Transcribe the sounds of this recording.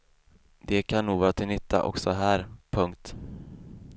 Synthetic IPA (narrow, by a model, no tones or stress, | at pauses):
d̪ɛkʰanːuːɡvɑːɾat̪ʰɪlʏt̪ʰːa̰ʔɔ̰ksɔɦæːɾpʰɵŋkt̪